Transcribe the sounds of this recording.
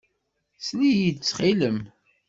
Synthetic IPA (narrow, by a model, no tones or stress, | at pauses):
slijidt͡sːχiləm